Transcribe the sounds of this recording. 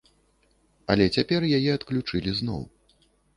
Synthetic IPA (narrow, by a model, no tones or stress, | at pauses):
ɐ̰lʲɛt͡sʲapʲɛrjajɛɐt̪klʲut͡ʂɨlʲiznɔ̰w